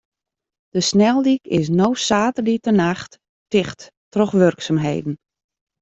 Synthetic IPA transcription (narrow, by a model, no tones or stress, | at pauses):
d̥əsnɛlˠdikɪ̰s̬nowsaːtərditənaxt | tɪxt | trɔxʋørksamɦḛjdn̩